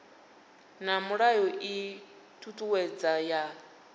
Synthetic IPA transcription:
namuɺajɔʔi | tʰutʼuwɛd͡zaja

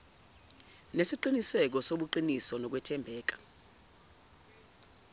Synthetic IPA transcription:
nesiǃinisɛk̬ɔsoɓuǃinisɔnɔk̬wɛtʰɛmbʱɛːk̬ḁ

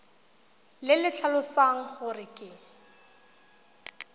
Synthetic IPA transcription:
lɪlɪt͡ɬʰalʊsaŋ̩χʊrɪkʼɪŋ̩

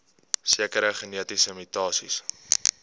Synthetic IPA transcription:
siəkəɾəχəniətisəmitɑːsḭs

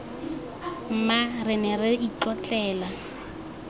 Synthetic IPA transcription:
m̩marɪnɛrɪit͡ɬɔt͡ɬʼɛːla

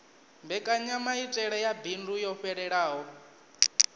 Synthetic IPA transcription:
mbɛkʼaɲamaitʼɛɺɛjabindujɔɸɛɺɛɺaːɦɔ

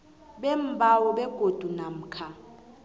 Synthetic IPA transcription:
ɓɛm̩bʱawɔɓɛɡ̥ʱod̥ʱunam̩kʰa

